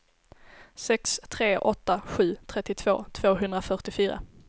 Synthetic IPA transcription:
sɛkst̪ʰɾeːʔɔt̪ːaɧʉ̟ːt̪ʰɾɛt̪ːɪt̪ʰv̥o̰ːt̪ʰv̥oːɦɵnd̪ɾafœʈɪfyːɾa̰

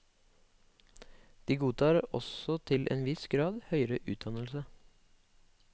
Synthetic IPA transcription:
d̪̥iːɡuːt̪ʰɑːɾɔ̰sɔt̪ʰɪlʔḛːnʋɪsɡɾɑːd̪hœʏəɾəʔʉːt̪̚d̪ɑnl̩sə

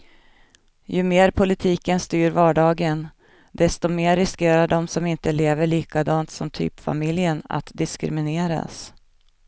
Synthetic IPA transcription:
jɵmeːɾpʰʊlɪt̪ʰiːkənst̪yːɾvɑːɖɑːɡən | d̪ɛst̪ɔmeːɾɪskeːɾaɖɔmsɔmɪnt̪əleːvəɭiːkad̪ɑːnt̪sɔmt̪ʰy̰ːpfa̰mɪljəna̰t̪d̪ɪskɾɪ̰mɪneːɾa̰s

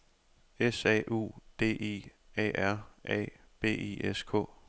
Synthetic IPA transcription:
esɛ̰ʔṵːd̥e̝̰ːʔḛː | ɛ̰ːæɐ̰ʔɛ̰ | b̥e̝̰ːḛːʔeskʰɔ̰̽ː

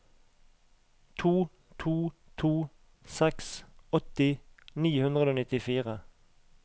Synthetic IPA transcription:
t̪ʰuː | t̪ʰuː | t̪ʰuː | sɛksɔt̪ɪniːhʉnʁəoːnɪt̪ɪfiːʁə

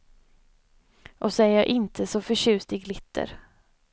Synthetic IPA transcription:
ʔɔsɔæɾjɑːʔɪnt̪ʰəsɔfœɕʉ̟ːst̪ɪɡlɪt̪ʰːə̰ɾ

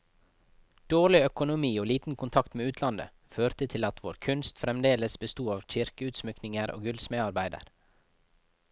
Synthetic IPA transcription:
d̪̥oːɭɪœkʊnʊmiːoːliːt̪n̩kʰʊnt̪ʰɑkt̪meːʉːt̪ʰlɑnd̪ə̰ | føːɾt̪ət̪ʰɪlɑt̪ʰʋoːɾkʰʉnst̪fɾɛmd̪eːləsbəst̪uːɑːʋc͡çɪɾkəʉːt̪smʏknɪŋəɾʔo̰ːɡʉlsmeːɑɾbæɪd̪ə̰ɾ

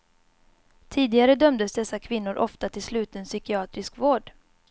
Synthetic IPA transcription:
t̪ʰiːd̪ɪɡaɾəd̪œmd̪əsd̪ɛsːakʰvɪnːʊɾʔɔft̪at̪ʰɪlslʉ̟ːt̪ənsʏkɪɑːt̪ɾɪskvoːɖ

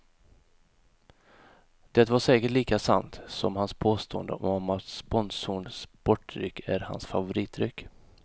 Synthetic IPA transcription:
d̪̥ɛt̪vaʂɛːkəʈɭiːkasa̰nt̪sɔmhanspʰoːst̪oːə̰nd̪ə̰ɔmɔmat̪spɔnsuɳspɔʈɾʏ̰kʰːæɾha̰nsfa̰vʊɾiːt̪ʰːɾʏkː

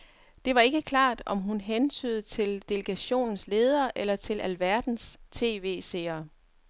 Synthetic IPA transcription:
d̥e̝ʋɑ̈e̝ɡ̥əkʰlɑ̈ːd̥ɒ̽mɦunɦent͡sʰy̰ːð̞̩ˠt͡sʰe̝ld̥e̝ləɡ̥æɕo̝̰ːnn̩sle̝ːð̞ˠɐːʔelɐt͡sʰe̝lʔælʋæɐd̥n̩st͡sʰe̝̰ːʋe̝̰ːse̝̰ːɐ

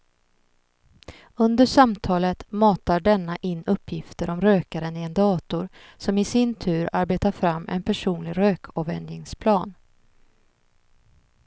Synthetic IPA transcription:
ɵnd̪əʂamt̪ʰɑːlət̪mɑːt̪aɖɛnːaʔɪnːɵpʰːjɪft̪əɾɔmɾøːkaɾənɪɛnd̪ɑːt̪ʊɾsɔmɪsɪnt̪ʰʉ̟ːɾaɾbeːt̪aɾfɾamːɛ̰npʰæʂuːnlɪɾøːkʰɔvɛ̰nd̪jɪŋspʰlɑːn

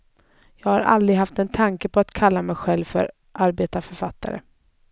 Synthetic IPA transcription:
jɑːɡhaɾʔa̰ld̪ɾɪɡɦaft̪ɛnt̪ʰaŋkəpʰɔat̪kʰalːamɛjɧɛlvfœ̰ɾ | ʔaɾbeːt̪afœɾfat̪ːa̰ɾə̰

